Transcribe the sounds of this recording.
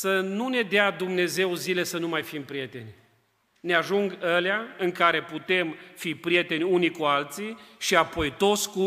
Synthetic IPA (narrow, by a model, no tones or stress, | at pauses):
sənune̞d̪ead̪umne̞ze̞wzile̞sənumajfimpɾije̞t̪e̞nʲ | neaʒuŋɡəleaɨŋkaɾe̞put̪e̞mfipɾije̞t̪e̞nʲunikualt̪siʃiapo̞jt̪o̞t̪sʲku